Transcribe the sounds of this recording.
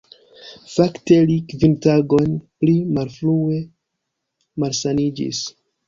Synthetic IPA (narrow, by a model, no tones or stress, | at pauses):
fakte̞likvintaɡo̞nplimalfɾue̞ | malsanid͡ʒḭs